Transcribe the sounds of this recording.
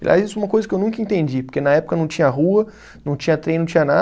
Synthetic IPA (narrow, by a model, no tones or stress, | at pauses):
ḛlʲjʔa̰jzisʊɛũmɐkojzɐkɪewnũŋkɐĩnt̪ẽnd͡ʒipoɾkenɐɛpʊ̥kɐnɐ̃w̃t͡ʃĩɲɐɐɦuɐ | nɐ̃w̃t͡ʃĩɲɐt̪ɾẽj̃nɐ̃w̃t͡ʃĩɲɐna